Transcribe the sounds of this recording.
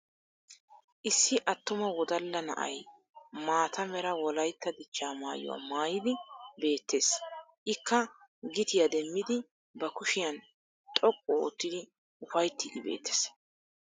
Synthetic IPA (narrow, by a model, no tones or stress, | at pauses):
ʔɪsːɪʔɐt̪ːʊmɐwɔd̪ɐlːɐnɐ̰ʔɐ̰j | maːt̪ɐmɛɾɐwɔlɐjt̪ːɐd̪ɪt͡ʃːaːmaːjʊ̰wa̰ːmaːjɪd̪ɪbe̞ːt̪ʰːe̞ːsʔɪkːɐɡɪt̪ɪjɐd̪ɛmːɪd̪ɪ | bɐkʊʃɪjɐn | t̪ʼɔkʼːɔo̰ːt̪ːɪd̪ɪ | ʊfɐjt̪ːɪd̪ɪbḛːt̪ːe̥ːs